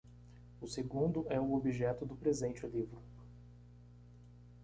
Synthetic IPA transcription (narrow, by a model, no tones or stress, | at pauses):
ʊseɡũnd̪ʊɛʊobiʒɛt̪ʊd̪ʊpɾezẽnt͡ʃɪʊlivɾʊ